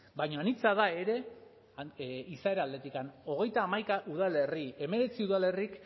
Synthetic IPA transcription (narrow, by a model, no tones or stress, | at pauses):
bajɲoanit͡saðae̞ɾe̞ | isae̞ɾald̪e̞t̪ikano̞ɣ̞e̞jt̪aːmajkaʔuð̞ale̞rie̞me̞ɾe̞t͡siuðale̞rik